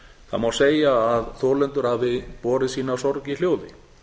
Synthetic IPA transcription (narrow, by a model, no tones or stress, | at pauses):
θa̰ðmawseːjaːðθɔːlɛnt̪ʏɾ̥havɪpɔːɾɪsiːnasɔɾcɪl̥joːwðɪ